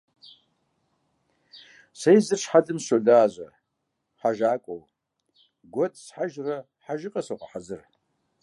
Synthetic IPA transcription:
sejzɨrʂħadɨmɕodaːʑʷɐ | ħaʒaːkʷʼow | ɡʷɔtʼsħaʒrɐ | ħaʒɪqʼɐsoqʼaħazɨr

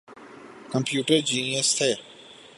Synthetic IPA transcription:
kəmpjuːʈəɾd͡ʒiːnɪəst̪ʰeː

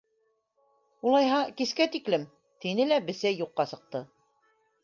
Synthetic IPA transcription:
ulˠɑjɦɑkiskæt̪iklɘm | t̪inɘlæbɘ̆sæjuqːɑsɤ̆q̚t̪ɤ

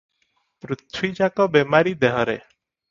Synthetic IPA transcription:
pɾut̪ʰwid͡ʒakɔbemaɾid̪ɛɦɔɾḛ

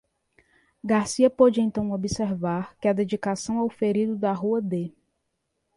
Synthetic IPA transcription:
ɡaɾsiɐpod͡ʒɪẽnt̪ɐ̃w̃obiseɾvaɾkɪɐd̪ed͡ʒikasɐ̃w̃awfeɾid̪ʊd̪aɦuɐd̪e

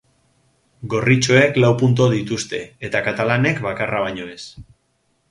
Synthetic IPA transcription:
ɡo̞rit͡ʃo̞e̞klawpunt̪̬o̞ðit̪ust̪e̞et̪akat̪alane̞kβakaraβaɲo̞e̞s

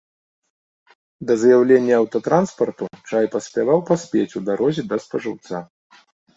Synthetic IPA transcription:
d̪ɐzɐjawlʲenʲːɐɐwt̪ɔt̪ɾanspɐrt̪ut͡ʂajpɐsʲpʲavawpasʲpʲet͡sʲud̪aɾɔzʲid̪ɐspɐʐɨwt̪sa

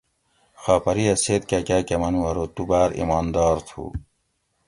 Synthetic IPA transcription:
xaːpɐɾiɐseːt̪̚kakaːkɐmɐnuɐɾot̪ubaːɾḭmɑːnd̪ɑːɾt̪ʰṵː

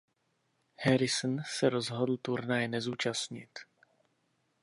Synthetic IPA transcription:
hɛɾɪsnsɛɾozɦodl̩t̪uɾnajnɛzuːt͡ʃast̪ɲɪ̰t̪

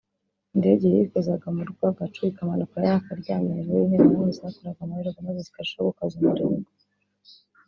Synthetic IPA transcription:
nde̞ɟejikozaɡamuɾɡwaɡat͡ʃuikamanokajaakaɾɟaːmeɾejinenamiziakoɾaɡamuhiɾoɡamazezi̥kaʃoβokazumuɾḭɡo

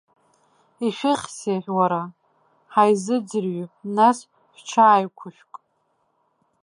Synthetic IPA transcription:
iʃʷᶣɪχʲseħᶣwaɾa | ħajzɨd͡zɨrɥunas | ħʷᶣt͡ʃʰaːjkʷʰʊʃʷᶣkʼ

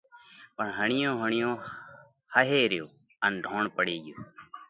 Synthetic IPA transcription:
pəɳɦəɳɪjõːɦəɳɪjõː | həɦeːɾjoː | ənɖʱoːɳpəɽeːɡɪjoː

